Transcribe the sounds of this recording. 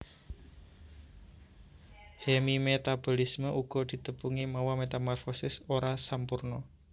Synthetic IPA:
hemimet̪ab̥ɔ̤lisməʔuɡ̥ɔ̤d̪̥i̤t̪əpuŋimawɔmet̪amɔrfɔsɪsoɾasampurnɔ

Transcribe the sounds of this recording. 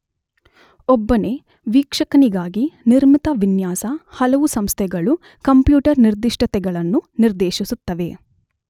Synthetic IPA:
ɔbːɐne | ʋiːkʂɐkɐniɡaːɡiniɾmit̪ɐʋinjaːsɐhɐlɐʋusɐmst̪ʰɛɡɐɭu | kɐmpjuːʈɐɾniɾd̪iʂʈʰɐt̪ɛɡɐɭɐnːuniɾd̪eːʃisut̪ːɐʋe̞

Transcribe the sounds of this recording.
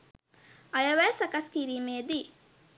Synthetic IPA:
ɐjɐʋesɐkɐskiːɾiːmeːd̪i

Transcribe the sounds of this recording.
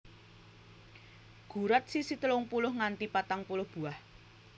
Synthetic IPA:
ɡ̥ṳɾat̪̚sisit̪əlʊŋpulʊhŋant̪ipat̪aŋpulʊhb̥ṳah

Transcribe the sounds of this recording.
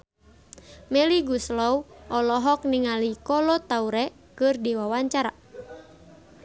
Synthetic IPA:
mɛliɡuslɔwʔɔlɔɦɔk̚niŋalikɔlɔt̪auɾɛ | kɨrdiwawaɲt͡ʃaɾa

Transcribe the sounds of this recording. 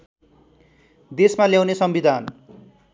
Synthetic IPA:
d̪esmaljaw̃nesʌmbid̪ʱan

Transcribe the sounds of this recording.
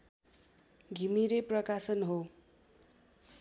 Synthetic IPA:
ɡʱimiɾeprʌkasʌnɦo

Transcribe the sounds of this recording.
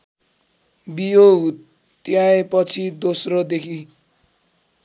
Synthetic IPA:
bijou | t̪jãepʌt͡sʰid̪osrod̪ekʰi

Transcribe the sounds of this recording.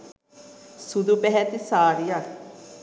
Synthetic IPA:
sud̪upɛɦɛt̪isaːɾija

